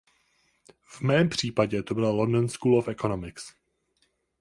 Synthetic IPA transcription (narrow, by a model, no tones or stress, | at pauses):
vmɛːmpr̝̥iːpaɟɛt̪o̞bɪllondonskuːlofɛko̞nomɪks